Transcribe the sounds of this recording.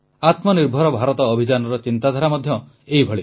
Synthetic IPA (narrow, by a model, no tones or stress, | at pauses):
at̪mɔniɾbʱɔɾɔbʱaɾɔt̪ɔːbʱid͡ʒanɔɾɔt͡ʃint̪ad̪ʱaɾamɔd̪ʱjɔ | ejbʱɔɭi